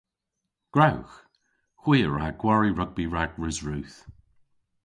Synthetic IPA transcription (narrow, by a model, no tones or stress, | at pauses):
ɡ̥ɹawx | xw̥iːəɹaɡ̥waɹiɹʌɡ̚biɹaɡɹɪzɹʉːθ